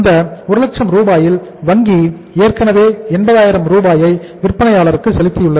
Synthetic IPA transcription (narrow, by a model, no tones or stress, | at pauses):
ɪnd̪ɐʊɾɯlɐk̚t͡ʃɐmɾuːbaːjɪlʋɐŋɡi | eːrkɐnɐʋeːɛnbɐðaːjɪɾɐmɾuːbaːjɐɪʋɪrpːɐnɐjaːɭɐɾɯkːɯsɛlɪt̪ːɪjɯɭːɐð